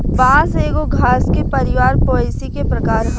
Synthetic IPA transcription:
ʋɐãseːɡoɡʱaːskepɐɾɪʋaːɾpoːlisikepɾɐkaːɾɦ

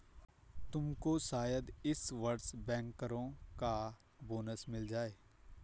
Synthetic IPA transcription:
t̪ʊmkosaːjəd̪ɪsʋɐɾsbɛ̃ːŋkəɾõka | boːnəsmɪld͡ʒaːeː

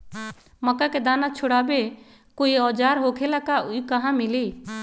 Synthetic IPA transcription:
məkaked̪aːnat͡ʃʰʊɽaːbe | koːiɔːd͡ʒaːɾɦoːkʰelakauikəɦãmɪliː

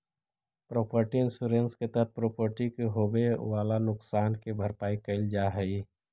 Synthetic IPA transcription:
pɾoːpəɾʈiɪnsuɾẽnsket̪əɾəpɾoːpəɾʈikeɦoːbeʋaːlanʊksaːnkebʱəɾpaːikəɪld͡ʒaːɦəi

